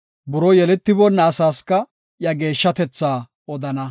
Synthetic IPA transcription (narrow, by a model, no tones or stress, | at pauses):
bʊɾɔjɛlɛt̪ːɪbɔnːɐːsaːskɐ | jɐɡe̞ːʃːɐt̪ɛt͡sːaː | ɔd̪ɐnɐ